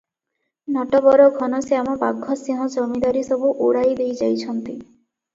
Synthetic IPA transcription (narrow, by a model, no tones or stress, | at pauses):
nɔʈɔbɔɾɔɡʱɔnɔseamɔbaɡʱːɔsiɦɔ̃d͡ʒɔmid̪aɾisɔbuʔuɽajd̪ejd͡ʒajt͡ʃʰɔnt̪i